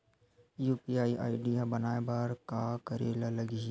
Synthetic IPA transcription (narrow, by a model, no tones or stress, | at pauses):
juːpiaːiʔaːɪɖijabɐnaːebaɾkakɐɾeːlalɐɡi